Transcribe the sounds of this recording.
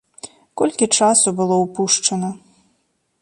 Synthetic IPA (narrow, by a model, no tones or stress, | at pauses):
kɔlʲkʲit͡ʂasubɨlˠɔwpuʂt͡ʂɐnɐ